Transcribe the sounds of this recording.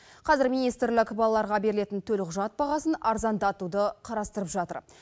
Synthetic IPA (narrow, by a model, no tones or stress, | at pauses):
qʰɑzɪɾmijnijst̪ɾlɪkʲbɑlˠɑlˠɑɾʁɑbe̞ɾɪle̞t̪ɪnt̪ʰɵlɪqʰʊʒɑt̪̚bɑʁɑsənɑɾzɑnd̪ɑt̪ud̪əqʰɑɾɑst̪əɾəpʒɑt̪ə̰ɾ